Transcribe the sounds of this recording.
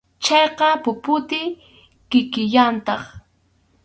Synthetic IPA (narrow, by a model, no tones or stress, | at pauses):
t͡ʃɑjqɑpʊpʊt̪ɪ | kɪkɪʎant̪ɑχ